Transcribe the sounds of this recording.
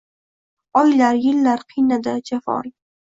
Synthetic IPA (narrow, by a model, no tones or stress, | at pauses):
ɒjlaɾjɪlːaɾqʰɨjnad̪ad͡ʒafɒ̰l